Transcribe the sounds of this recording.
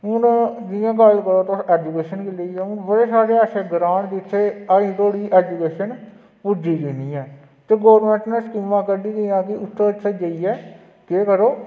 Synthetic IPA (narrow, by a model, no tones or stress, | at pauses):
ʊnd̪ɪjãːkaːlkəɾoːt̪oːɛːd͡ʒukeːʃənkeləiːɛːʊnbəɽeːsaːɾeːaːʃeːɡɾãːɳd̪ɪt̪ʰːeːaĩːt̪oːɽiːʔɛːd͡ʒuːkeːʃən | pud͡ʒiːd̪eːniːɛː | t̪eːɡoːʋɾmɛ̃ːɳʈnãːskɪmːãːkəɾd̪iːd̪ijãːkɪʊt̪ʰːeːtʰeːd͡ʒəiːɛː | keːkəɾoː